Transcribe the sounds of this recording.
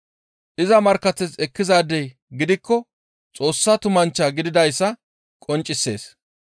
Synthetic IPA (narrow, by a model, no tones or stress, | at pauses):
ʔɪzɐmɐɾkːɐt̪ːɛt͡sɛkːɪzaːd̪ɛj | ɡɪd̪ɪkːɔ | t͡sʼo̞ːsːaːt̪ʊmɐnt͡ʃːaːɡɪd̪ɪd̪ɐjsːɐ | kʼɔnt͡ʃʼːɪsːe̞ːs